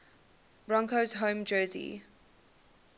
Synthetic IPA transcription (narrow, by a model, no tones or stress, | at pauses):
b̥ɹɔ̃ŋkozɦõʊ̃md͡ʒɜːzḭ